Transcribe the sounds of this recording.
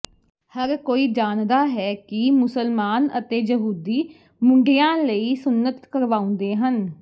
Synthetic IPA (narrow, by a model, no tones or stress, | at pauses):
həɾkoːiːd͡ʒaːnd̪aːɦɛːkɪmʊsəlmaːnə̰t̪eːjəɦuːd̪iː | mʊɳɖɪjãːləiːsʊnːət̪kəɾʋaːʊ̃ːnd̪eːɦən